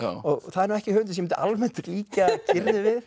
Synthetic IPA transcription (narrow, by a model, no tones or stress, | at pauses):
ɔɣθaðɛɾnuwɛhcɪhøːʏnt̪ɪsjmɛnʔa̰lmɛnt̪liːkacɪɾðɪvɪð